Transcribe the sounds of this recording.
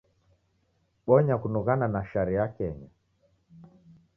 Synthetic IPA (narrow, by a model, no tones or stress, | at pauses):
ɓɔɲakunuɣananaʃaɾijakɛɲa